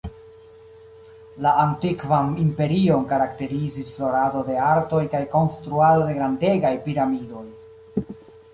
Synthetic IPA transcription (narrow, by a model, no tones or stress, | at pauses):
laantikvanimpe̞ɾio̞nkaɾakte̞ɾizisflo̞ɾado̞de̞aɾto̞jkajko̞nstɾuado̞de̞ɡɾande̞ɡajpiɾamido̞j